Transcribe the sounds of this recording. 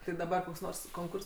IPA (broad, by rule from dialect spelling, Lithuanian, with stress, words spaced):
tʲɪ dɐˈbɐr koːks ˈnoːrs koːŋˈkʊrs